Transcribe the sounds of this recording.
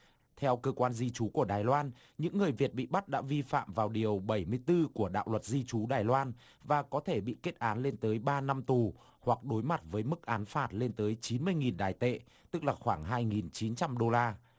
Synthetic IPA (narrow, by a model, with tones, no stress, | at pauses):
t̪ʰɛ˧wkəː˧kwaː˧nzi˧t͡ɕu˨˦ku˧˩əɗaː˨˩jlwaː˧n | ɲɨ̰˧˥ŋːɨ˨˩əjvi˨˩ət̚ɓḭ˧˨ɓa˦˥t̚ɗa̰ː˧˥vi˧fa̰ː˧˨mvaː˨˩wɗi˨˩əwɓə˧˩jmɨ˧əjt̪ɨ˧ku˧˩əɗa̰ː˧˨wlwə˨˩t̚zi˧t͡ɕu˨˦ɗaː˨˩jlwaː˧n | vaː˨˩kɔ˨˦t̪ʰe˧˩ɓḭ˧˨ke˦˥t̚ʔaː˨˦nle˧nt̪əː˨˦jɓaː˧na˧mt̪u˨˩ | hwa˨˩k̚ɗo˨˦jma˨˩t̚vəː˨˦jmɨ˦˥k̚ʔaː˨˦nfaː˧˩t̚le˧nt̪əː˨˦jt͡ɕi˨˦nmɨ˧əjŋi˨˩nɗaː˨˩jt̪ḛ˧˨ | t̪ɨ˦˥k̚laː˨˩xwaː˧˩ŋɦaː˧jŋi˨˩nt͡ɕi˨˦nt͡ɕa˧mɗo˧laː˧